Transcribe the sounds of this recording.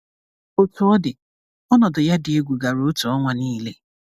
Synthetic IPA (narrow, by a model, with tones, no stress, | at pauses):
o˨tu˨ɔ˦dɪ˨ | ɔ˦nɔ˨dʊ˨ja˦dɪ˨e˦ɡʷu˨ɡa˨ɾo˨o˦tu˨ɔ˦ŋʷa˨niː˦le˦